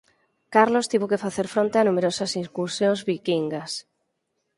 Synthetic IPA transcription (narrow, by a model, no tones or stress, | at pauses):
kaɾlost̪iβokefaθeɾfɾõnt̪eanũmeɾosasiŋkuɾsjõŋzβikiŋɡas